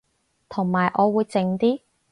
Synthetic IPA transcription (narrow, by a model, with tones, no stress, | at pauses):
t̪ʰʊ˨˩ŋmaː˨˩jʔɔː˨˧wuː˨˧jt͡sɪ˨˧ŋt̪iː˥